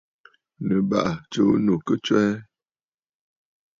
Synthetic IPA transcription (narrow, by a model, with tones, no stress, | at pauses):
nə˨ba̰˦˨ʔt͡ʃo˦no˨kə˦t͡ʃwɛ˦